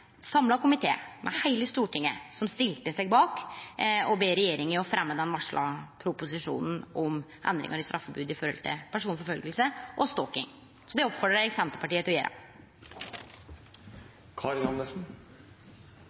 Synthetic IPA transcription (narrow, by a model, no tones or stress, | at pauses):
sɑmlɑkʊmɪt̪ʰḛːmʔɛ̰hæɪləst̪uːʈʰɪŋːəsɔmst̪ɪlt̪əsɛɡ̚bɑːk | ɔbeːɾɛjeːɾɪŋəɔfɾɛmːəd̪ɛnʋɑʂɭʔɑ̰pʰɾʊpʊs̬ɪʂṵːnn̩ʔɔmʔɛ̰nd̪ɾɪ̰ŋəɾɪst̪ɾɑfːəbʉːd̪ɪfɔɾɔlt̪ʰɪ̰pʰæʂuːnfɔɾfœlɡəlsəʔɔst̪ɔːkɪ̰ŋ | sɔd̪ɛɔpfɔɖəsɛnt̪əpɑʈiːət̪ɔjeːɾɑ̰ | kʰɑɾɪŋɑnɛsn̩